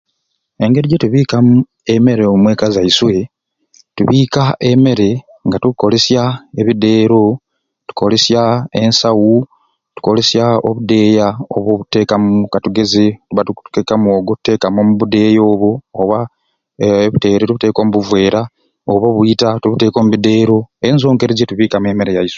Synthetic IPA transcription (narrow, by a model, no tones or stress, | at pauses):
e̞ŋɡe̞ɾiɟetuβiːkamu | e̞me̞ɾemwe̞kazaiswe̞ | tuβiːkaʔe̞me̞ɾe̞ | ŋɡatuko̞le̞sjae̞βide̞ːɾo̞ | tu̥ko̞le̞sjae̞nsawu | tu̥ko̞le̞sjao̰βud̪e̞ːjao̰βoβute̞ːkamukatuɡe̞zetuβatutu̥kekamo̞ːɡotu̥te̞ːkamomuβude̞ːjo̞ːβoːβa | βute̞ːɾetuβute̞ːko̞ːmuβuvwe̞ːɾa | oβoβuitatuβute̞ːko̞ːmuβide̞ːɾo̞enzo̞ːŋɡe̞ɾezetuβiːkamwe̞me̞ɾejaiswe